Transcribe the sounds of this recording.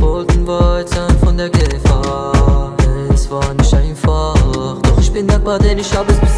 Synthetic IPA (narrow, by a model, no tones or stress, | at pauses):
vɔlˠtn̩vatzaːnfʊndɛɡəfa | ɛsvaːnɪʃtaɪnfaχdʊχɪʃbɪndɛk̚badɛnɪʃabəsb